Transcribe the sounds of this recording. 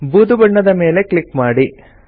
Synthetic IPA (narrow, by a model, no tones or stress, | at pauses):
buːd̪ubɐɳːɐd̪ɐme̞ːle̞kɭikmaːɽi